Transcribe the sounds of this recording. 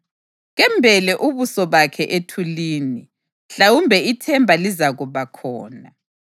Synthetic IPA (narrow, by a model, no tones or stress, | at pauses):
ɣɛmbʱɛlɛʔuβusɔβakʰɛʔetʰuliːni | ɬawumbʱɛitʰɛmbʱalizaɣuβakʰɔ̰ːna